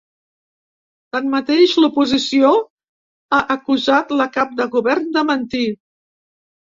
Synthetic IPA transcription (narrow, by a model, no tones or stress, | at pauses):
t̪anmət̪eʃlupuzisio | aʔəkuzat̪ləkap̚d̪əɣuβɛɾnd̪əmənt̪i